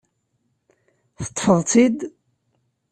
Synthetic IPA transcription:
θə̥t̪ˤːħəðˤt͡sid̪

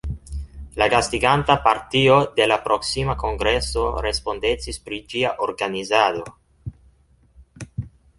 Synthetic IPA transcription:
laɡast̪iɡantapaɾt̪iod̪elapɾoksimakoŋɡɾeso̞ɾespo̞nd̪et͡sispɾid͡ʒiaʔoɾɡanizad̪o̞

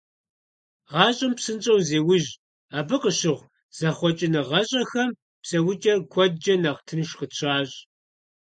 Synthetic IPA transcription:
ʁɑːɕʼɐmpsɨnt͡ʃʼɐwzeːwʊʑ | aːbɨqəɕɪʁʷ | z̥ɐχʷɔt͡ʃʼɪnɨʁɐɕʼɐxɐm | psɐwʊt͡ʃʼɐrkʷʰɔd̚d͡ʒɐnaːʁtʰɨnɨʃqəɕʷʰaːɕʼ

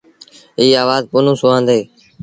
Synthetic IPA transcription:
iːaːʋaːzpʊːnũːsʊãːnd̪eː

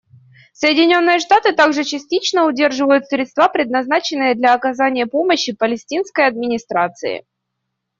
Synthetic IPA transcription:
səjɪdʲɪnʲo̞nːɨjəʂt̪at̪ɨt̪aɡʐɨt͡ɕɪsʲtʲit͡ɕnəʊdʲe̞rʐɨvəjʊt̪sɾʲɪt̪st̪vapɾʲɪd̪nɐznat͡ɕɪnːɨjəd̪lʲɐɐkɐzanʲɪjəpo̞məɕːɪpəlʲɪsʲtʲinskəjɐd̪̚mʲɪnʲɪst̪ɾat̪sɨɪ̰

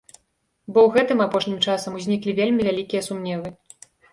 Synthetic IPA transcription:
bɔwɣɛt̪ɨmapɔʂnʲimt͡ʂasɐmuzʲnʲiklʲivʲelʲmʲivʲalʲikʲijɐsumnʲɛvɨ

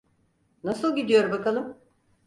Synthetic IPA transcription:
nasɯlˠɟid̪ijo̞ɾumbakalˠɯm

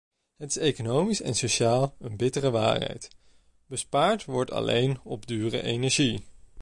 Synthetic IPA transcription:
ɦətɪ̥sejkonowmisɛ̰nsoʃaːlˠənbɪtərəʋa̰ːɹɦɛ̰jt | b̥əspaːɹtʋɔɹtɑ̰lḛjnɔbdyːrə̰ʔejnɛɹʒi

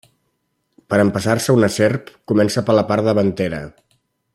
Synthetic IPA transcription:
pəɾəmpəsarsəunəserpkumɛnsəpələpaɾðəβ̞ənt̪eɾə̰

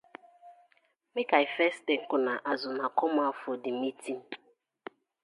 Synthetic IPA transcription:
mɪkaɪfɛsteŋ̩kʊnaʔazʊnakɔmafʊdɪmitim̩

